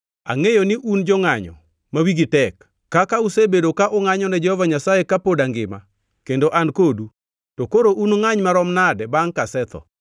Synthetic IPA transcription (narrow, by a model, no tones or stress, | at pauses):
a̰ŋejonɪʔund͡ʒɔŋaɲɔ̰ | mawiɡitɛkː | akausebedokaʔɔŋaɲɔnɛd͡ʒɛhɔvaɲasaekapodaŋɡɪ̰ma̰ | kendoʔankodu | tokoɾoʔunŋaɲmaɾɔmnadɛbaŋkasɛt̪ʰɔ̰